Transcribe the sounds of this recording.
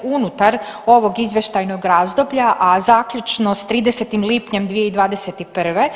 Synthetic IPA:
unut̪aɾo̞ʋo̞ɡizʋʲje̞ʃt̪ajnoɡɾaːzd̪o̞bʎaʔazaːkʎut͡ʃnost̪ɾiːd̪eset̪imliːpɲe̞md̪ʋijeid̪ʋaːd̪e̞set̪ipr̩ʋe̞

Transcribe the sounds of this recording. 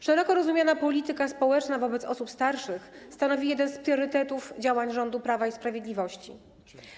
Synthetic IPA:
ʂɛɾɔkɔɾɔzumʲjanapɔlʲit̪ɘkaspɔwɛt͡ʂnavɔbɛt̪sɔ̰supst̪aɾʂɘxst̪anɔvʲijɛd̪ɛnspɾʲjɔɾɘt̪ɛt̪ufd͡ʑawaɲʐɔnd̪upɾavaispɾavʲjed̪lʲivɔɕt͡ɕi

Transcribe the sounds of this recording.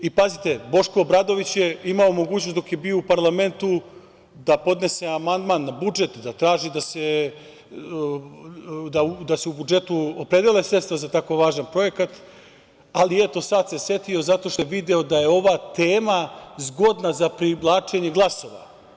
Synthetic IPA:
ipazit̪e̞bo̞ʃko̞ːbɾad̪o̞ʋit͡ɕjeimaomo̞ɡuːt͡ɕnosd̪o̞kje̞bio̞upaɾlˠame̞nt̪u | d̪apo̞d̪ne̞se̞amand̪maːnːabud͡ʒe̞t̪d̪at̪ɾaːʒid̪ase | d̪aud̪aseubud͡ʒe̞t̪uopɾe̞d̪elesɾet̪st̪ʋazat̪ako̞ʋaːʒanpɾo̞je̞kat̪ | aliet̪o̞sat̪se̞sje̞t̪io̞zat̪o̞ʃt̪ojʋid̪eo̞d̪aje̞o̞ʋat̪eːmazɡo̞d̪nazapɾiʋlˠaːt͡ʂe̞ɲeɡlˠaso̞ʋa̰

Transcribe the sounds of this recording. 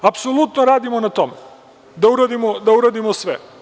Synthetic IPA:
apsolut̪noɾaːd̪imonat̪omḛ | d̪auɾad̪imod̪auɾad̪imosʋḛ

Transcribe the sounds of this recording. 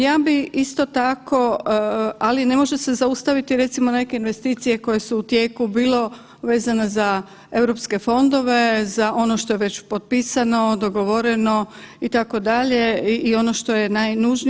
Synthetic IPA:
jaːbiist̪o̞t̪akʰo̞ | aline̞mo̞ʒese̞zaust̪aʋit̪iɾe̞t̪simo̞ne̞ke̞inʋe̞st̪iːt̪sije̞ko̞je̞suːt̪je̞ːkubiːlo̞ | ʋe̞ːzaneza | e̞wɾo̞pske̞fo̞nd̪o̞ʋe̞zaʔo̞noʃt̪ojeʋe̞t͡ɕpot̪̚piːsano̞d̪o̞ɡoʋo̞ɾe̞no̞it̪ako̞d̪aʎe̞io̞no̞ʃt̪o̞jenajnuʒni

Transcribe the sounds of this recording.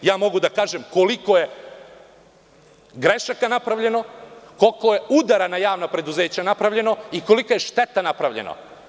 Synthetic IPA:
jaːmo̞ɡud̪akaːʒemko̞likoje̞ | ɡɾeʃakanapɾaʋʎe̞no̞ko̞lkoje̞ud̪aɾanajaːʋnapɾe̞d̪uze̞ːt͡ɕanapɾaʋʎe̞no̞iko̞likojeʃt̪e̞t̪anapɾaʋʎḛno̰

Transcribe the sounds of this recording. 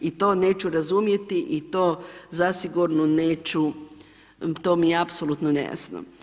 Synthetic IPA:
it̪o̞ːne̞ːt͡ɕuɾazumje̞t̪iʔit̪o̞ːzasiɡuɾnoneːt͡ʃu | t̪oːmieapsolut̪nonḛja̰sno̰

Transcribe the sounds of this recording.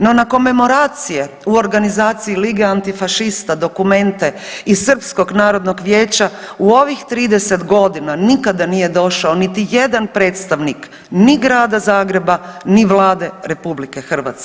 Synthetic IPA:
no̞nako̞me̞mo̞ɾaːt̪sije | uo̞ɾɡanizaːt̪siiliːɡeant̪ifaʃist̪ad̪o̞kume̞nt̪e̞isr̩psko̞ɡnaːɾo̞d̪no̞ɡʋje̞ːt͡ɕauo̞ʋixt̪ɾiːd̪e̞se̞t̪ɡo̞d̪inanikad̪anije̞d̪o̞ʃaonit̪ijed̪anpɾe̞ːt̪st̪aʋnik | niɡɾaːd̪azaːɡɾe̞baniʋlˠaːd̪e̞ɾe̞publike̞xr̩ʋa̰ːt̪ske

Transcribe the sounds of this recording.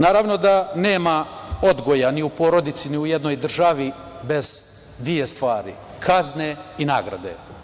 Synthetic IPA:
naːɾaʋno̞d̪ane̞ːmao̞d̪ɡo̞janiupo̞ɾo̞d̪it̪siniuje̞d̪no̞jd̪r̩ʒaʋi | be̞z̥ | d̪ʋije̞st̪ʋaːɾḭ | kʰazne̞inaːɡɾa̰d̪e̞̰

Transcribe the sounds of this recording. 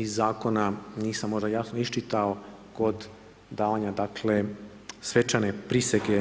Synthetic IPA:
izːaːko̞naniːsamːo̞ʒd̪ajasnoiʃt͡ʃit̪ao̞ | ko̞d̪ | d̪aːʋaɲad̪akʰle | sʋe̞t͡ʃanepɾiseɡe

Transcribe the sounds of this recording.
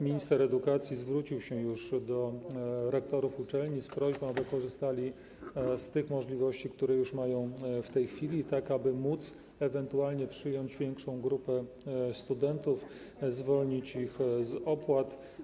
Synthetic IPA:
mʲiɲist̪ɛɾɛd̪ukat̪sʲjizvɾut͡ɕiwɕɛjuʂd̪ɔɾɛkt̪ɔɾufut͡ʂɛlɲispɾɔʑbɔ̃wabɘkɔʐɘst̪alʲi | st̪ɘxmɔʐlʲivɔɕt͡ɕik̚t̪uɾɛjuʂmajɔ̃w̃ft̪ɛjxfʲilʲit̪akabɘmut̪s | ɛvɛnt̪ualɲɛpʂɘjɔɲd͡ʑvʲjɛŋkʂɔ̃w̃ɡɾupɛ | st̪ud̪ɛnt̪uf | zvɔlɲit͡ɕixzɔpwat̪

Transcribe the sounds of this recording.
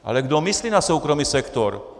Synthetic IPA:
ʔa̰lɛɡd̪ɔmisliːnasuːkɾɔmiːsɛkt̪ɔɾ

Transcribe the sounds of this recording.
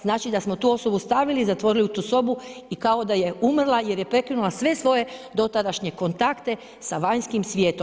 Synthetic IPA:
znaːt͡ʃid̪asmo̞t̪uːo̞so̞bust̪aʋilizat̪ʋo̞ɾiliut̪uːso̞buikao̞d̪aje̞ʔumrlˠaje̞ɾje̞pɾe̞kinulˠasʋe̞sʋo̞je̞d̪o̞t̪ad̪aʃɲeko̞nt̪akt̪e̞ | saʋaɲskimsʋʲje̞ːt̪o

